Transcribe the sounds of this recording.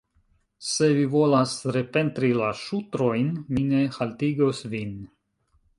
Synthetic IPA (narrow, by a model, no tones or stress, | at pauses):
se̞vivo̞lasɾe̞pe̞ntɾilaʃutɾo̞jnmine̞haltiɡo̞svin